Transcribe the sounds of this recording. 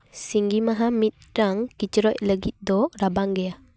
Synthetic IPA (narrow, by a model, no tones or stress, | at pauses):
siŋɡimaɦamit̪̚ɾaŋkit͡ʃəɾɔʔləɡit̪̚d̪ɔʔɾabaŋɡɛa